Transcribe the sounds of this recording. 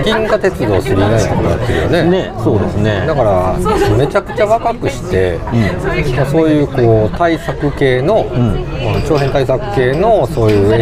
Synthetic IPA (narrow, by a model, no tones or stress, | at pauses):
ɡʲĩŋɡat̪e̞t͡sɨd̪o̞ːsɨɾʲinaiɦoma̰a̰t͡sːɨɯ̰jo̰ne̞nesoːd̪ḛsɨne̞d̪akaɾame̞t͡ɕakɯ̟̥t͡ɕaβakakɯ̟ɕi̥t̪e̞ɯ̃maso̞ːjɯ̟ːko̞ːt̪aisakɯ̟ke̞ːno̞ɯ̃at͡ɕo̞ːɦẽ̞nt̪aisakɯ̟̥ke̞ːno̞so̞ːjɯ̟ː